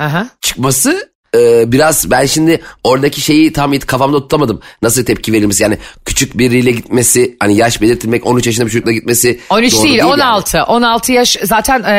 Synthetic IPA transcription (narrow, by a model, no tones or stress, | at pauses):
hãɦãt͡ʃʰɯ̥kmasɯ | ɯːbiɾazbænʃimd̪ɪo̞ɾad̪acʰiʃe̞jit̪ʰamet̪i̥kʰafamd̪aot̪ut̪ʰːˠamad̪ɯmnasɯlˠt̪ʰɛp̚cʰive̞ɾilʲmesijaːnɪcʰy̥t͡ʃʰyc̚biɾːijlʲɛɟit̪̚me̞sɪhanijaʃbe̞lʲiɾt̪ʰilʲmɛco̞nyt͡ʃjaʃ̬ɯnd̪abit͡ʃʰod͡ʒuklˠaɟit̪̚me̞sionyt͡ʃdoːiilʲonalˠt̪ʰɯʔo̞nalˠt̪ʰɯjaʃzaːt̪ʰæn